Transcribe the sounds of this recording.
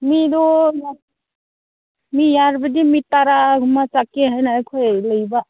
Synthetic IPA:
midɔja | mijaɾbədimitaɾaɡʱumat͡sakeɦajnakʰɔləjba

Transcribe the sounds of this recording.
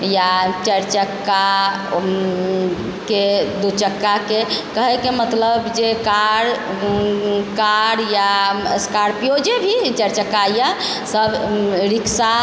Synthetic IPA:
jat͡ʃəɾt͡ʃəkːa | ked̪ut͡ʃəkːakekəɦɛkemət̪ləbd͡ʒekaɽ | kaɽjaskaɾpijod͡ʒebʱit͡ʃəɾt͡ʃəkaja | səbɾiksa

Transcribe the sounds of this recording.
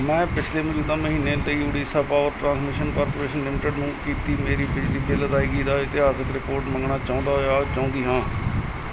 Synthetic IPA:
mɛ̃ːpɪt͡ʃʰleːməluːd̪ãːməɦiːneːləiːʊɽiːsaːpaːʋəɾʈɾãːnsmɪʃənkɔːɾpoːɾeːʃənlɪmɪʈəɖnũːkiːt̪iːmeːɾiːbɪd͡ʒliːbeːləd̪aːiːɡəːd̪aːɪt̪ɪɦaːsəkɾɪpoːɾʈməŋɡɳaːt͡ʃãːnd̪aːɦojaːt͡ʃaːʊ̃ːnd̪iːɦãː

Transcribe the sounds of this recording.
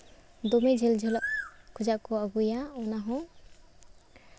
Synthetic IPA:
d̪ɔmed͡ʒɛld͡ʒʱɛlɔʔkʰud͡ʒaʔkɔaɡujaɔnaɦɔ̃

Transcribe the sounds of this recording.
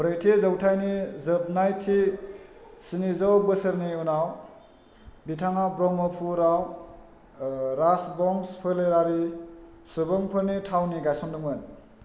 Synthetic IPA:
bɾajtʰezawtʰajnizɯp̚najtʰi | sinizawbɯsɯɾniunaw | bitʰaŋabɾɔmɔpʰuɾaw | ɾasbɔŋspʰɯleɾaɾi | sɯbɯŋpʰɯɾnitʰawniɡajsɔŋdɯmɯn

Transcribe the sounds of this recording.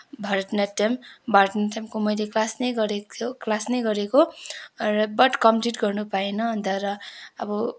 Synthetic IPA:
bʱʌɾʈnʌʈambʱʌɾʈnaʈamkomʌjleklasnʌjɡʌɾet̪ʰjoklasnʌjɡʌɾeko | rʌbʌʈkʌmʈiʈɡʌrnupaenʌɦʌnt̪ʌɾʌʌbʌ

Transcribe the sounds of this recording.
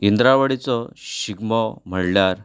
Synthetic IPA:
ind̪ɾaʋəɽit͡sɔɕiɡmɔm̤əɽljaɾ

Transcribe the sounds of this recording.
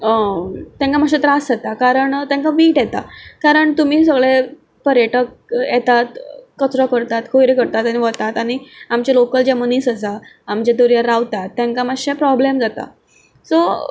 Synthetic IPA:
ət̪jãŋkamaɕẽt̪ɾasd͡zat̪akaɾəɳt̪jãŋkaʋiːʈjɛt̪a̰kaɾəɳt̪um̤iːs̬əɡɭe | pəɾjeʈək̚ | jɛt̪at̪kət͡sɾɔkəɾt̪at̪kʰoiɾekəɾt̪at̪añiʋət̪at̪añiamt͡ɕalokəld͡ʑaməniːsəsaː | mt͡ɕad̪oɾjaɾːaʋt̪at̪ːãŋkamaɕẽpɾɔblemd͡zat̪a̰ | so

